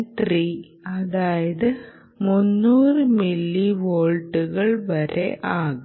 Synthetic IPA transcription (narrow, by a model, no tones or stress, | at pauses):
t̪riː | ɐðaːjɐðɨ | munːuːrɨmilːiʋoːɭʈːuɣɐɭʋɐɾḛʔaːɣ